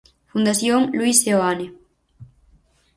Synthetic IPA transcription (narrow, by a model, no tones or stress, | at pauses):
fund̪aθjoŋluiseoane